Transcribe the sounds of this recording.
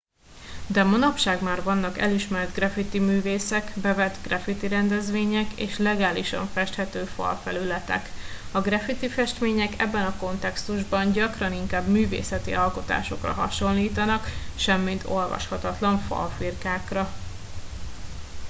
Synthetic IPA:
d̪ɛmonɒpʃaːɡmaːrvɒnːɒkɛliʃmɛrd̪ɡrɛfit̪imyːveːsɛkbɛvɛt̪ɡrɛfit̪iɾɛnd̪ɛzʋeːɲɛkḛːʃlɛɡaːliʃɒ̰ɱfɛʃt̪hɛt̪øːfɒ̰lfɛlylɛt̪ɛ̰kɒɡrɛfit̪ifɛʃt̪meːɲɛkɛ̰bːɛnɒko̞nt̪ɛkst̪uʒbɒɲɟɒkrɒniŋkaːbmyːvḛːsɛt̪ḭʔɒlko̞t̪a̰ːʃo̞̰krɒ̰ɦɒ̰ʃo̞nliːt̪ɒnɒkʃɛmːint̪o̞lvɒ̰ʃhɒt̪ɒt̪lɒɱfɒ̰lfirkaːkrɒ

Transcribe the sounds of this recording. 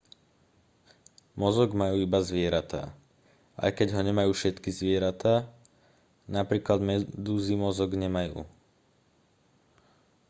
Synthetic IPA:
mɔzɔɡmajuːibazʋɪɛɾat̪a̰ː | ʔa̰jkɛɟɦɔɲɛmajuːʃɛt̪kizʋɪɛɾat̪aː | napɾiːklad̪mɛd̪uːzimɔzɔɡɲɛmajṵː

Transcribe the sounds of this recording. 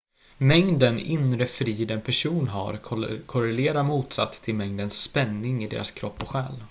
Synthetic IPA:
mɛŋd̪ənɪnɾəfɾiːd̪ɛnpʰæʂuːnɦa̰ɾkʰʊɾɛleːɾamuːt̪sa̰t̪ʰːɪlmɛŋd̪ənsːpɛnːɪŋɪd̪ḛːɾa̰skʰɾɔpːɔɧɛːl

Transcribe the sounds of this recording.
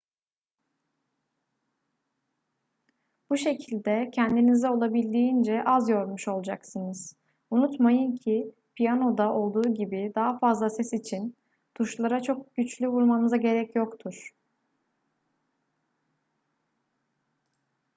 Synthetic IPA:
b̥uʃe̞cʰilʲd̪ɛcʰɛnd̪inizɛo̞lˠabilʲd̪iːind͡ʒɛʔazjo̞ɾmuʃo̞lˠd͡ʒaksɯnɯz̥ | unut̪majɯncʰi | pʰijano̞d̪aʔo̞lˠd̪uːɟibid̪aɦafazlˠasɛsit͡ʃʰin | t̪ʰuʃlˠaɾat͡ʃʰo̞k̚ɟyt͡ʃlʲyvuɾmanɯzaɟe̞ɾɛcjo̞kt̪ʰuɾ̥

